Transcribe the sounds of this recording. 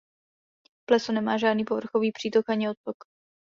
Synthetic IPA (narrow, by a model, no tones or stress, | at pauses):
plɛsonɛmaːʒaːdniːpovr̩xoviːpr̝̥iːt̪okaɲɪot̪̚pok